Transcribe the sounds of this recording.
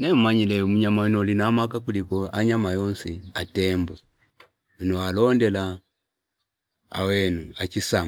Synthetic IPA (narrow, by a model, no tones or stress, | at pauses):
nɛmumaɲilɛmuɲamanɔlinamakakulikɔaɲamajɔnsiatɛmbɔ | inualɔndɛla | a̰wɛnuat͡ʃisam